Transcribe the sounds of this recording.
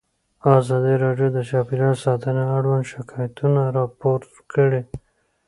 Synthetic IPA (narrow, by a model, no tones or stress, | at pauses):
ɑzɑd̪iɾɑɖjod̪ət͡ʃɑpiɾɑɾsɑt̪əneaɽwand̪ʃɪkɑjat̪unaɾɑpoɾ | kəɽe